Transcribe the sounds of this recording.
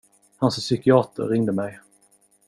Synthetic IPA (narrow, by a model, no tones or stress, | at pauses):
hanssʏkɪɑːt̪ə̰ɾɾːɪŋd̪əmɛj